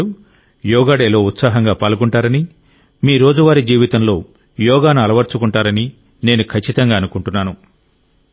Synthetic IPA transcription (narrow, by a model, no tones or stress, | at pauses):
u | jɔːɡaːɽeːlo̞ːut̪saːɦɐŋɡaːpaːlukuɳʈaːɾɐni | miːɾo̞ːd͡ʒuʋaːɾid͡ʒiːʋit̪ɐmlo̞ː | jɔːɡaːnuɐlɐʋɐɾt͡ʃukuɳʈaːɾɐni | ne̞ːnukʰɐt͡ʃːit̪ɐŋɡaːɐnukuɳʈunːaːnu